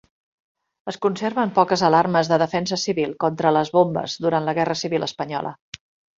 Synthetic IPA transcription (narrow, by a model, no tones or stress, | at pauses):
əskunseɾβəmpɔkəzəlarməzðəðəfɛns̬əsiβilˠkɔnt̪ɾələzβombə̰zðuɾant̪ləɣɛrəsiβilʔə̰spəɲɔ̰lə̰